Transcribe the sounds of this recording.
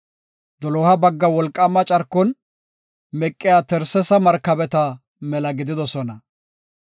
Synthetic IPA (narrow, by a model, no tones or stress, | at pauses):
d̪ɔlɔhɐbɐɡːɐwɔlkʼːɐmːɐt͡ʃʼɐɾkːɔn | mɛkʼːɪjaːt̪ɛɾsɛsɐmɐɾkːɐbɛt̪ɐ | mɛlɐɡɪd̪ɪd̪ɔsɔnɐ